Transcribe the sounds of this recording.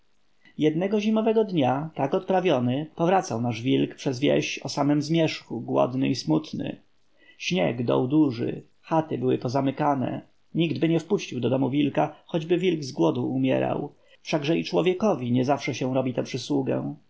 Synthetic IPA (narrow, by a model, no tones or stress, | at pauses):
jɛd̪̚nɛɡɔʑimɔvɛɡɔd̪ɲat̪akɔt̪̚pɾavʲjɔnɘpɔvɾat̪sawnaʐvʲilkpʂɛzvʲjɛ̰ɕt͡ɕɔsamɛmzmʲjɛʂxuɡwɔ̰d̪nɘismut̪nɘ̰ | ɕɲɛ̰ɡd̪ɔ̰wd̪uʐɘ̰ | xat̪ɘbɘwɘ̰pɔzamɘkanɛ̰ | ɲiɡd̪bɘɲɛfpuɕt͡ɕiwd̪ɔd̪ɔmuvʲilkaxɔd͡ʑbɘvʲilɡzɡwɔd̪uːmʲjɛ̰ɾa̰w | fʂaɡʐɛit͡ʂwɔvʲjɛkɔvʲiɲɛzafʂɛɕɛw̃ɾɔbʲit̪ɛpʂɘswuɡɛ̰w̃